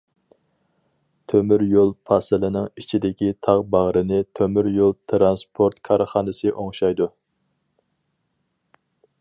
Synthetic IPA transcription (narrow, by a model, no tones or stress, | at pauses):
t̪ʰømyɾjolˠpʰɑsɨlɨnɪŋit͡ʃʰid̪ɪkʲit̪ʰɑʁbɑʁɾɨnɪt̪ʰømyɾjolˠt̪ʰɾɑnspʰoɾt̪kʰɑɾχɑːnɨsɨʔoŋʃɑjd̪u